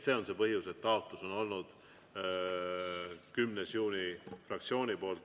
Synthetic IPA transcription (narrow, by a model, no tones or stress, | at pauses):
se̞ːo̞nse̞pɤɦjuse̞t̪ːɑot̪ˑluso̞no̞lnud̪̥ | kymnesjuːnʲifrɑkt̪sio̞ːnipo̞ːlt̪